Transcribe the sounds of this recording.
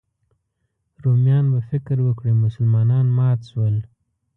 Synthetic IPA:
ɾomjɑnbafɪkɾwəkɽimʊsəlmɑnɑnmɑt̪swəl

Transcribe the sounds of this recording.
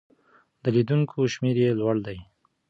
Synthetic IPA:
d̪əlid̪uŋkʰoʃmeɾjelwaɽd̪aj

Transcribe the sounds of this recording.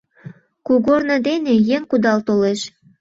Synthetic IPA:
kuɣornɤ̆d̪enejeŋkud̪ɑlt̪oleʃ

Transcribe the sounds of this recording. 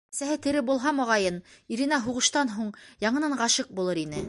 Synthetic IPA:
sæɦɘt̪ɘ̆ɾɘbulˠɦɑmŏʁɑjɤniɾinɑɦuʁɤ̆ʃt̪ɑnɦuɴjɑɴɤ̆nɑɴʁɑʃɤq̚bulˠɤɾinɘ

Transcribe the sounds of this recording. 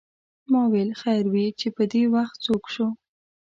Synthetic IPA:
mɑwelxajɾwit͡ʃepəd̪ewaxt̪̚t͡sokʃu

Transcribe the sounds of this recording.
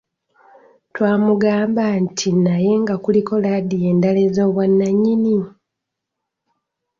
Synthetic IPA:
twaːmuɡaːmbantʰinaje̞ŋɡakuliko̞lad̪ije̞ːndale̞zo̞ːβwanːaɲːini

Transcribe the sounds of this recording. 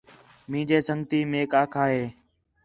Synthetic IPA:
mĩːd͡ʒeːsəŋɡt̪iːmeːkaːkʰaːɦeː

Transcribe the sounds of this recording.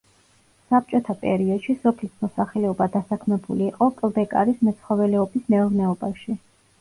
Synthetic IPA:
sap̚t͡ʃʼɔt̪ʰapʼɛ̰ɾiɔd̪̥ʃisɔpʰlismɔsaχlɛɔbad̪asakʰmɛbuliːqʼɔkʼlˠd̪ɛkʼa̰ɾismɛt̪sʰχɔvɛlɛɔbismɛɔɾnɛɔbaʃi

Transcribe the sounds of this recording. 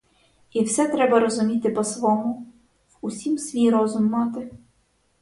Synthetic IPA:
iwsɛt̪ɾɛbɐɾɔzʊmʲit̪ɪpɔsʋɔmʊ | wʊsʲimsʲʋʲijɾɔzʊmːɑt̪ɪ

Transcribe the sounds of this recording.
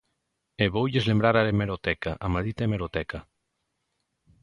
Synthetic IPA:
eβowʎezlembɾaɾaɾemeɾot̪ɛkaʔamaðit̪aemeɾot̪ɛkʰa

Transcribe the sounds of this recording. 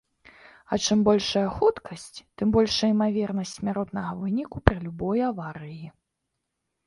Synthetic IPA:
ɐt͡ʂɨmbɔlʲʂɐjɐxut̪kʰɐsʲt͡sʲt̪ɨmbɔlʲʂɐimavʲɛrnɐsʲt͡sʲmʲaɾɔt̪nɐɣɐvɨnʲikupɾɨlʲubɔjavaɾɨji

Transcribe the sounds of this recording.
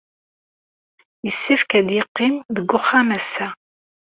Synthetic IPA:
jəsːifkæd̪jɪqːɪmðəɡːʊχːamæsæ

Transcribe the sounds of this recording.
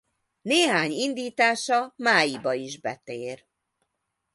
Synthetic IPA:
neːɦaːɲind̪iːt̪aːʃɒmaːjibɒiʒbɛt̪eːr

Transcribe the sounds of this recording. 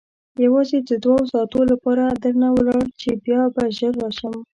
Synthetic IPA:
jawɑzed̪əd̪wɑwsɑt̪olapɑɾad̪əɾnawəlɑɽt͡ʃebjɑbaʒəɾːɑʃəm

